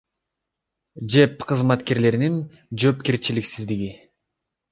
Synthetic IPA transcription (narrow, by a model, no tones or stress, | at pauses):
d͡ʒe̞pqʰɯzmɑt̪ke̞ɾle̞ɾinin | d͡ʒøpkeɾt͡ʃiliksizd̪iɡʲi